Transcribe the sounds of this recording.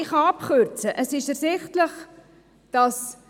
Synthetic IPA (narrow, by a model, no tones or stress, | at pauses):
ɪχɑpχøɾt͡səʔəsɪʃɛrszɪχtləχ | d̥ɑs